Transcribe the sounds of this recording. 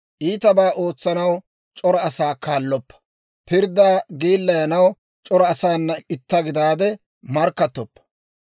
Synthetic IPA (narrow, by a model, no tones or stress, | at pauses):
ʔiːt̪ɐbaːʔoːt͡sːɐnɐw | t͡ʃʼɔɾɔɐsaːkaːlːɔpːɐ̥ | pɪɾd̪aːɡiːlːɐjɐnɐw | t͡ʃʼɔɾɔɐsaːnːɐɪt̪ːɐɡɪd̪aːd̪ɛ | mɐɾkːɐt̪ːɔpːɐ̥